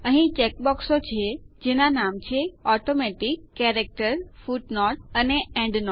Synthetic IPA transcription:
əɦĩt͡ʃek̚bɔksot͡ɕʰed͡ʑenanamt͡ɕʰeɔʈomeʈɪkːeɾek̚ʈəɾfuʈnɔːʈ̚əneɛ̃ɳɖnɔ

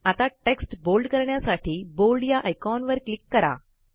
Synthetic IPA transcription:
at̪aʈeksʈbolɖkəɾɳjasaʈʰiːbolɖjaʔajkɔnʋəɾklikːəɾa̰

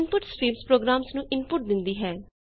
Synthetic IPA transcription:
npʊʈskɾiːmspɾoːɡɾaːmsnũːʔɪnpʊʈ̚d̪ɪnd̪iːɦɛː

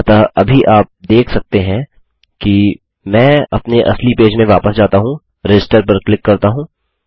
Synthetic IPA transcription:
t̪aɐbʱiʔaːp̚d̪eːkʰsɐk̚t̪eɦɛ̃ | ki | mɛ̃ːɐ̰pneʔɐ̰slipeːd͡ʒmẽʋaːpəsd͡ʒaːt̪aɦũ | ɾɛd͡ʒɪsʈəɾpɐɾklɪkːɐɾt̪aɦũː

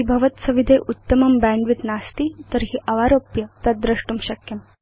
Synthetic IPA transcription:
ɦibʱɐʋət̪sɐʋid̪ʱeʔut̪ːəmɐmbæɳɖʋit̪nast̪iːt̪əɾɦiʔɐʋaɾopjɐt̪ɐd̪ɾəʂʈuːmɕɐkjɐm

